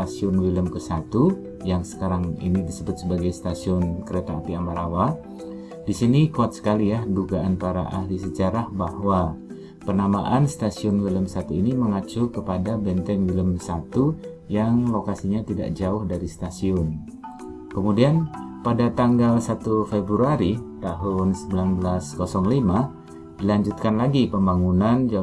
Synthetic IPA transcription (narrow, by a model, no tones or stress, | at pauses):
asiʊnfiləmkəsat̪u | jaŋsə̥kaɾaŋḭnidisəbʊt̪̚səbaɡajst̪asiʊnkəɾet̪aːpiamaɾawa | disinikuat̪̚sə̥kalijahduɡaʔanpaɾa̰ʔahlisəd͡ʒaɾahbahwa | pərnamaʔanst̪asiʊnfiləmsat̪uiniməŋat͡ʃukəpadabɛnt̪ɛnwiləmsat̪u | jaŋlokasiɲat̪ida̰ʔd͡ʒaʊhdaɾist̪asiʊn | kəmudianpadat̪aŋɡalsat̪ufebɾuaɾit̪aɦʊnsəbilanbəlaskosɔŋlima | d̥ilaɲd͡ʒut̪̚kanlaɡipəmbaŋunand͡ʒ